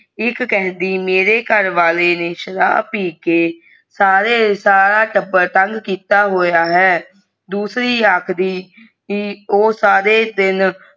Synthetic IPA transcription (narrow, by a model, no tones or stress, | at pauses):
ɪkkɛɦnd̪iːmeːɾeːkəɾʋaːleːneːʃəɾa̰ːpiːkeː | saːɾeːsaːɾaːʈəbəɾt̪əŋɡkiːt̪aːɦoːjaːɦɛː | d̪uːsɾiːəkʰd̪iː | oːsaːɾeːd̪ɪn